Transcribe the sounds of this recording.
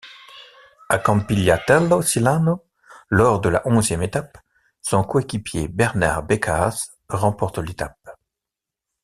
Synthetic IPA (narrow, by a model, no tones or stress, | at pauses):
akɑ̃mpiljat̪ɛlosilano | lɔʁd̪əla̰ʔɔ̃zjɛmet̪ap | sɔ̃koekʲipjḛbɛʁna̰ʁbekʰaz | ʁɑ̃pɔʁt̪let̪ap̚